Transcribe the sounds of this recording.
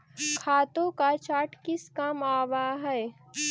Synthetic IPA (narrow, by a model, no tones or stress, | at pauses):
kʰaːt̪õkat͡ʃaːʈkɪskamaːwaɦɛɛ